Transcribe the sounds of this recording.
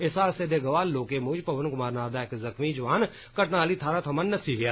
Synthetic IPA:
ɪsaːɾsed̪eːɡɐʋaːlːoːkemʊːd͡ʒpɐʋənkʊmaːɾnaːd̪aekzɐxmid͡ʒɐʋaːn | kɐʈnaːlit̪ʰaːɾat̪ʰɐmənːɐt̪siɡɐjaː

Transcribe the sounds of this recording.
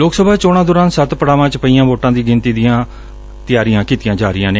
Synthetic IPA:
loːksəbʱaːt͡ʃoːɽ̃aːd̪ʊːɾãːnsət̪pəɽaːʋãːt͡ʃpəiːãːboːʈãːd̪iːɡɪnt̪iːd̪ijãː | t̪ɪjaːɾijãːkiːt̪ɪjãːd͡ʒaːɾɪjãːneː

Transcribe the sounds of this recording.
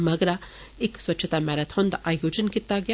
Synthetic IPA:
mɐɡɾa | ekswɐtːʃʰɐt̪amɛɾɐt̪ʰond̪ʔaːjoːd͡ʒənkit̪ːaɡja

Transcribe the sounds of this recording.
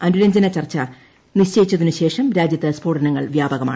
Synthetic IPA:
ɐnuɾɐɲd͡ʑɐnɐt͡ɕɐrt͡ɕːɐ | niɕt͡ɕejit͡ɕːɐðinuɕe̞ːʂɐmɾaːd͡ʑjɐt̪ːɐspo̞ːʈɐnɐŋːɐ̰ɭʋjaːbɐɣɐmaː

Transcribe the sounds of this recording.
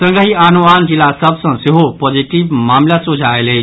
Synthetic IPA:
sə̃ŋɡəɦianuand͡ʒilːasəbsə̃seɦopɔd͡ʒiʈibmamlasud͡ʒʱaelɦəɪ

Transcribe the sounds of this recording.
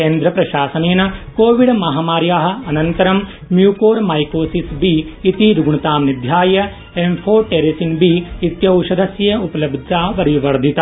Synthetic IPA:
keːnd̪ɾɐpɾɐʃaːsɐneːnɐkoːʋiɖmɐɦaːmaːɾjaːɦɐ̆ɐnɐnt̪ɐɾɐmː | juːkoːɾmɐjkoːsisbiit̪iɾuɡɳit̪aːmnid̪ʱjaːjɐ | empʰoːʈeːɾeːsinbiit̪jɐwʃɐd̪ʱɐsjɐupɐlɐbd̪ʱaːʋɐɾiʋɐɾd̪ʱit̪ɐ

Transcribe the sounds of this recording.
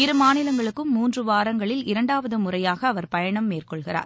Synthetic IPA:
ɪɾɯmaːnɪlɐŋɡɐɭɯkːɯmːuːndrɯʋaːɾɐŋɡɐɭɪlɪɾɐɳɖaːʋɐðɯmʊrɐjaːɣɐːʋɐɾpɐjɐɳɐmːeːrkɔɭɣɪra̰ːɾ

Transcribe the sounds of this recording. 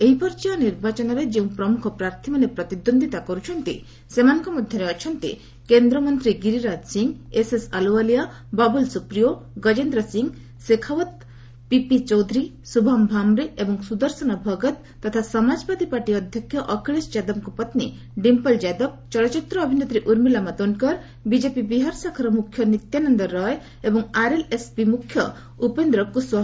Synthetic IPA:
eɦipɔɾt͡ʃianiɾbat͡ʃɔnɔɾed͡ʒeũpɾɔmukʰɔpɾaɾt̪ʰimanepɾɔt̪id̪ond̪ʱit̪akɔɾut͡ʃʰɔnt̪ḭ | semanɔ̃ŋkɔmɔd̪ʱjɔɾeɔt͡ʃʰɔnt̪ḭ | kend̪ɾɔmɔnt̪ɾiɡiɾiɾad͡ʒsiŋesesalualija | babulsupɾijoɡɔd͡ʒend̪ɾɔsiŋɡ | sekʰawɔt̪ | pipit͡ʃɔwd̪ʱɾi | subʱambʱamɾeʔebɔŋsud̪ɔɾsɔnɔbʱɔɡɔt̪ːɔt̪ʰasɔmad͡ʒbad̪ipaɾʈiɔd̪ʱjɔkʰjɔʔɔkʰiɭesd͡ʒad̪ɔb̚kupʌt̪ni | ɖimpɔld͡ʒad̪ɔb̚t͡ʃɔlɔt͡ʃit̪ɾɔːbʱinet̪ɾeʔuɾmilamad̪ɔnkɔɾ | bid͡ʒepibiɦaɾsakʰɔɾɔmukʰjɔnit̪janɔnd̪ɔɾɔe | ebɔŋaɾelespimukʰːjɔ | upend̪ɾɔkuswɔɦ

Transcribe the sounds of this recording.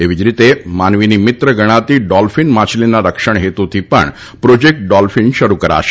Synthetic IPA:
eʋid͡ʑɾit̪emanʋinimit̪ɾəɡəɽ̃at̪iɖɔlfinmat͡ɕlinːaɾəkʂəɳ̃ɦet̪ut̪ʰipə̰ɳ | pɾod͡ʑek̚ʈ̚ɖɔlfinʃəɾukəɾa̰ʃe̥

